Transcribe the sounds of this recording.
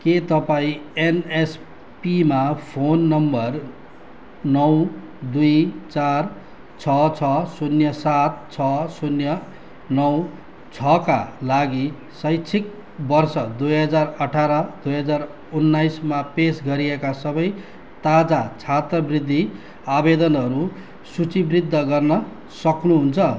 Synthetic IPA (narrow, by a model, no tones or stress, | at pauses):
ket̪ʌpaĩenes | pimapʰonːʌmbʌr | nʌw | d̪ujt͡sar | t͡sʰʌt͡sʰʌsunjʌsat̪̚t͡sʰʌsunjʌ | nʌw | t͡sʰʌkalaɡi | sʌjt͡sʰik̚ | bʌrsʌd̪ujɦʌd͡zarʌʈʰaɾʌd̪ujɦʌd͡zar | unːajsmapesɡʌɾiekasʌbʌj | t̪ad͡zat͡sʰat̪rʌbrid̪ʱːi | abed̪ʌnʌɾu | sut͡sibrid̪ʱːʌɡʌrnʌ | sʌknuɦunt͡sʰʌ